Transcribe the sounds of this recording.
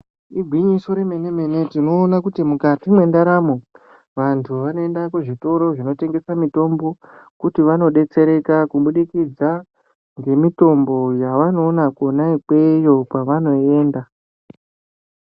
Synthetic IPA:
iɡʱwiɲiso̞ɾeme̞ne̞me̞ne̞tino̞ːnakutimukatimwe̞ndaɾamo̞ | ʋantʰuʋanoendakeʐito̞ɾo̞ʐino̞te̞ŋɡe̞samito̞mbo̞kutiʋano̞ɗe̞t͡se̞ɾe̞kakuɓuɗikid͡za | ŋɡe̞mito̞mbo̞jaʋano̞ːnakonaikwe̞jo̞paʋano̞e̞ːnda

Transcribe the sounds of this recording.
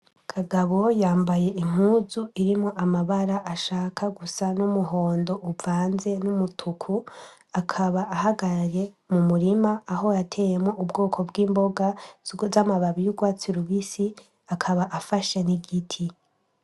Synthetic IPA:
kʰaɡaβo̞jaːmbaje̞ʔim̥uːzuiɾimŋo̞ʔamaβaɾaʔːʃaːkʰaɡusanumuɦo̞ːndo̞ʔuvaːnze̞numutʰukʰu | akʰaβaːhaɡaɾaɾe̞ | mumuɾimaːɦo̞jatʰe̞ːje̞mŋo̞ʔubɡo̞ːkʰo̞bɡiːmbo̞ɡazamaβaβijuɡwaːt͡siɾuβisi | akʰaβaʔafaʃeniɡitʰi

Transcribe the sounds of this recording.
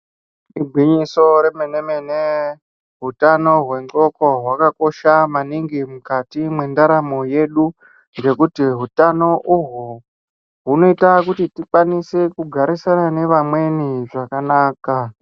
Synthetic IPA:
ibʱwiɲiso̞ɾemenemene | ɦutano̞ɦwe̞ŋɡo̞ko̞ɦwakako̞ʃamaniŋɡimukatimwe̞ndaɾamo̞je̞ɗu | ŋɡe̞kutiɦutano̞ʔuɦu | ɦuno̞itakutitikwanisekuɡʱaɾisanane̞ʋamwe̞niʐakanaːka

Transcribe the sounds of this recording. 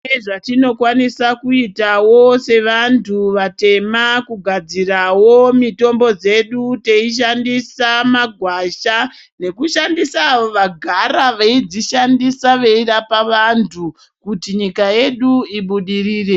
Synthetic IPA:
eʐatino̞kwanisakuitawo̞se̞ʋantʰuʋate̞makuɡʱad͡zirawo̞mito̞mbo̞d͡ze̞ɗute̞iʃ̬andisamaɡʱwaʃa | ne̞kuʃandisaːʋo̞ʋaɡʱaɾaʋaid͡ziʃandisaʋeirapaʋantʰu | kutiɲikaje̞ɗuiɓuɗiriːre̞

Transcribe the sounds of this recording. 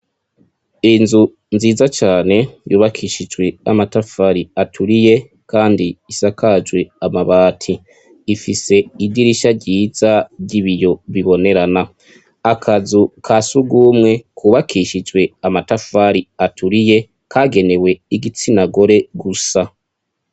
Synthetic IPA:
inzu | nziːzat͡ʃaːne̞juːβakʰiːʃid͡ʒwe̞amatafaɾiatʰuɾije̞ | kaːndiːsakad͡ʒwe̞amaβaːtʰiː | fise̞idiɾiʃaɾɟiːz̥aɾɟiβijo̞βiβo̞ne̞ɾana | akʰazukʰasuɡuːmŋe̞kʰuːβakʰiʃid͡ʒwe̞amatafaɾiatʰuɾije̞ | kʰaɡe̞ne̞we̞iɡit͡sinaɡo̞ɾe̞ɡusa

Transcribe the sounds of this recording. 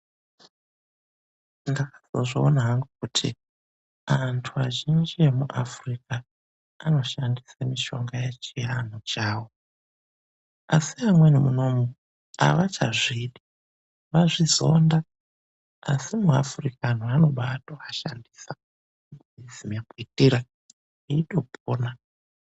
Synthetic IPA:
ndakḁzoʐoːnaɦaŋɡukutʰḭ | antʰuaʒend͡ʒie̞muʔafrikaː | no̞ʃandisamiʃo̞ŋɡaje̞t͡ʃiranot͡ʃaːwo̞ | asiamwe̞nemuno̞mu | a̰ʋat͡ʃaʐiɗi | ʋaʐizo̞nda | asimua̰furikaan̤uano̞ɓaːtoaʃandiːsḁ | izimakuitiɾa | iito̞pʰoːna

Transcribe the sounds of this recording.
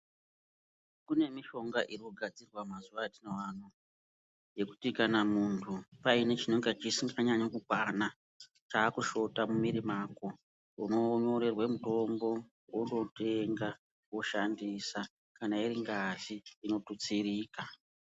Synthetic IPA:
kune̞miʃo̞ŋɡaʔirikuɡʱad͡zirwamazuʋatineʋan̤u | je̞ku̥tikanamuntʰupaine̞t͡ʃinoŋɡet͡ʃisiŋɡaɲaɲokukwana | t͡ʃaːkuʃo̞tamumiɾimako̞ | uno̞ɲo̞ɾe̞rwemuto̞mbo̞ | wundo̞te̞ŋɡa | woʃandisa | kanaiɾiŋɡaziːno̞tut͡siɾiːka

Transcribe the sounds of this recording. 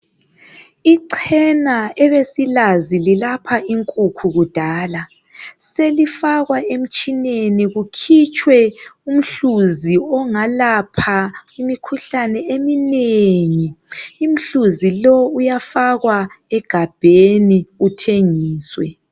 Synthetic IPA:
iǀʰɛnaɛβesilazililapʰaiŋkʼukʰuɣud̥ʱaːla | selifaɣwaem̩t͡ʃʼineniɣukʰit͡ʃʼʰwɛum̩ɬuziɔŋalapʰaimikʰuɬanɛemineŋiːm̩ɬuzilɔujafaɣwaɛɡ̥ʱab̥ʱeniutʰeŋiːswɛ̰

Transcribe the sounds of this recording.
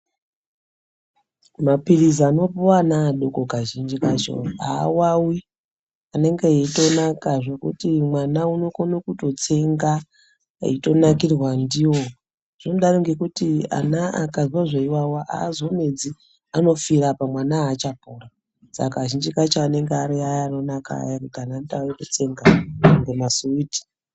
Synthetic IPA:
mapirizano̞puwanaːɗokokaʒind͡ʒikat͡ʃo̰a̰ːwawi | ane̞ŋɡeeito̞nakaʐe̞kṵtimwanauno̞konokuto̞t͡se̞ŋɡa | ḭto̞nakirwandiwo | ʐ̥inoɗaroŋɡe̞kutia̰naa̰kaziwaʐaiwawaʔa̰ːzo̞me̞d͡zi | ano̞firapamwanaːt͡ʃapura | sa̰kaʒind͡ʒikat͡ʃaːne̞ŋɡeaɾiajaːno̞naka̰jaɾitanantaojetot͡se̞ŋɡaŋɡemasuuti̥

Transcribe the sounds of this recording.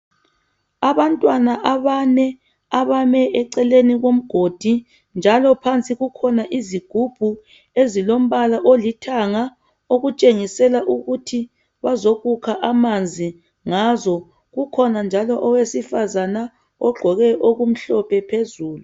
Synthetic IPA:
aβantʼwanaʔaβanɛ | aβamɛʔɛǀɛleniɣom̩ɡ̥ʱod̥ʱi | nd͡ʒʱalɔpʰant͡sʼiɣukʰɔnaʔiziɡ̥ʱub̥ʱu | ezilom̩βalaʔolitʰaŋa | oɣut͡ʃʼeŋisɛlaʔuɣutʰi | βazoɣukʰaʔamand͡zʱi | ŋazɔ | ɣukʰɔnand͡ʒʱalɔʔɔwesifazana | ɔɡ͡ǃʱɔɣɛʔoɣum̩ɬɔpʰɛpʰezuːlu

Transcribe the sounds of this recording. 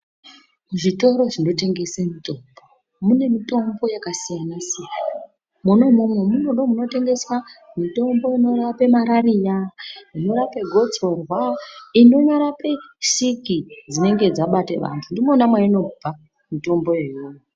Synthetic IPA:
ʐito̞ɾo̞ʐino̞te̞ŋɡe̞semito̞mbo | mune̞mito̞mbo̞jakasijanisa | muno̞mumwe̞muno̞ɗo̞muno̞te̞ŋɡe̞swa | mito̞mbo̞ino̞rape̞maɾarijaino̞ɾape̞ɡʱo̞t͡so̞rwaino̞ɲaɾape̞ʃikid͡zine̞ŋɡe̞d͡zaɓatḛʋa̰ntʰundimonamwaino̞bʱa | mito̞mbo̞je̞joːjo

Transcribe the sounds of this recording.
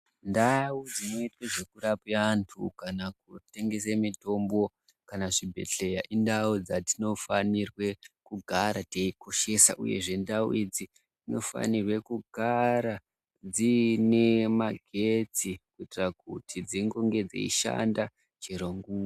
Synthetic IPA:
ndawud͡zino̞itweʐe̞kuɾapiantʰukanak̚ute̞ŋɡe̞semito̞mbo̞ | kanaʐibʱe̞̰ɬe̞jaʔindawud͡zatino̞fanirwe̞kuɡʱaɾateiko̞ʃe̞sa̰ʔṵje̞̰ʐe̞ndaṵid͡zi | tino̞̰fa̰nirwe̞kuɡʱaɾa | d͡zine̞maɡʱet͡sikuitirakutʰid͡ziŋɡo̞ŋɡe̞d͡zḛiʃa̰nda | t͡ʃiɾoŋɡuŋ

